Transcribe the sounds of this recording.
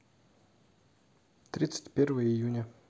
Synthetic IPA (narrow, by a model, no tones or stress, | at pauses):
t̪ɾʲit̪sɨ̥tʲpʲervɨjəijunʲə